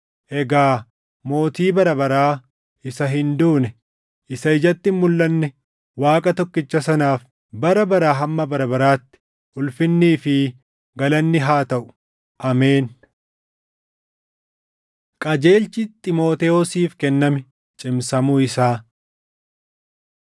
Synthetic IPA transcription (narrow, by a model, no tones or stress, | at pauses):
ʔɛɡaː | mo̞ːt̪iːbɐɾɐbɐɾaː | ɪsɐɦɪnd̪uːnɛ | ʔɪsɐɪd͡ʒɐt̪ːɪmːʊlːɐnːɛ | waːkʼɐt̪ɔkːɪt͡ʃːɐsɐnaːf | bɐɾɐbɐɾaːɦɐmːɐbɐɾɐbɐɾaːt̪ːɪ̥ | ʊlfɪnːiːfɪ | ɡɐlɐnːɪɦaːt̪ɐʔʊ̥ | ʔɐmeːn | kʼɐd͡ʒe̞ːlt͡ʃɪt̪ʼɪmo̞ːt̪ɛɔsiːfkɛnːɐmɛ | t͡ʃʼɪmsɐmuɪsaː